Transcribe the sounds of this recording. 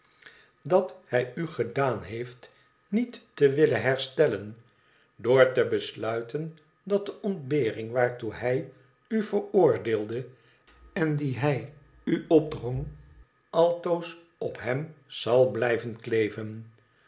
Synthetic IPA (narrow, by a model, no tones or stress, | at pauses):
dɑthɛjyχədaːnɦejft | nitːəʋɪləɦɛɹstɛlən | doːɹtəbəslœɥtʰən | dɑt̚dəʔɔndbeːrɪŋʋaːɹtuɦɛj | yvəɹʊːɹdeːlˠdə | ɛndiɦɛj | yɔb̚drɔŋ | ʔɑlˠtows | ɔpɦɛmsɑlˠblɛjvənklejvən